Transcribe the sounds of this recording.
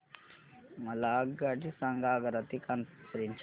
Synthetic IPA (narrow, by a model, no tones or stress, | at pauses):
mɐlaːɡaʈisaŋɡaːɡɐɾɐt̪ikanpɾint͡ʃ